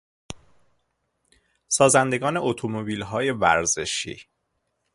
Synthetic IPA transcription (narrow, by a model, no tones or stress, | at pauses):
sɒːzænd̪e̞ɡɒːne̞ʔot̪ʰomobiːlɦɒːje̞væ̰ɾze̞ʃḭː